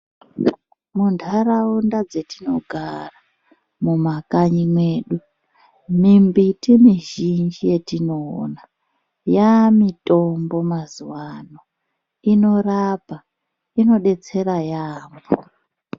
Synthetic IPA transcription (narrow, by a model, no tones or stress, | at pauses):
muntʰaraundad͡zetino̞ɡʱara | mumakaɲimweːɗu | mimbitimiʒind͡ʒije̞tino̞̰na | jamitʼo̞mbo̞mazuwano | ino̞rapa | ino̞ɗe̞t͡se̞ɾajaːmbo